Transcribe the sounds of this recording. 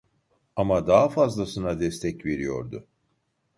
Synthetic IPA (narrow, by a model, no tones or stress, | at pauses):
amad̪aɦafazlˠasɯnad̪ɛst̪ʰɛcve̞ɾijo̞̰ɾd̪ʊ